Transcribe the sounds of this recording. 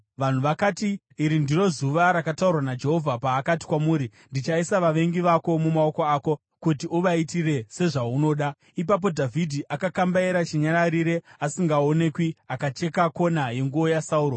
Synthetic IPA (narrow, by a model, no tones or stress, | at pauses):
ʋan̤uʋakatiː | ɾindiro̞zuʋaɾakataurwanad͡ʒe̞ɦo̞vʱapaːkati̥kwamuːɾindit͡ʃaisaʋaʋe̞ŋɡiʋako̞mumao̞koaːko̞ | kutiuʋaitire̞se̞ʐauno̞ːɗa | ip̬ap̬o̞dʱavʱidʱiʔakakambaiɾat͡ʃiɲaɾaɾiɾe̞asiŋɡaone̞kwiakat͡ʃe̞kako̞naje̞ŋɡuo̞jasauːɾo